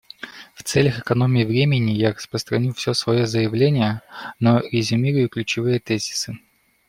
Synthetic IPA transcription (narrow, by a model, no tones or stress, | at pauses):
ft̪sɛlʲəxɨkɐno̞mʲɪːvɾʲemʲɪnʲɪjarəspɾəst̪ɾɐnʲufsʲosvɐjozəjɪvlʲenʲɪjənoɾʲɪzʲʊmʲiɾʊjʊklʲʉt͡ɕɪvɨjət̪ɛzʲɪ̥sɨ